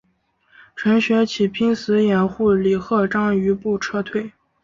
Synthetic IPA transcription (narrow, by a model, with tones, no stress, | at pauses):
ʈ͡ʂʰwə˧˥nɕɥɛ˧˥t͡ɕʰi˨˩pʰi˥ŋsɹ̩˧˥jɛ˨˩nxu˥˩li˨˩xɤ˥˩ʈ͡ʂɑ˥ŋy˧˥pu˥˩ʈ͡ʂʰɤ˥t̪ʰwe˥˩ɪ